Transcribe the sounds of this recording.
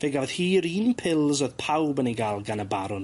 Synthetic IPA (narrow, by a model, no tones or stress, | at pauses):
v̥eɡɔð̥hiːɾiːnpʰɪlˠzoð̥pʰawbəniɡaːlˠɡanəbaɾʊn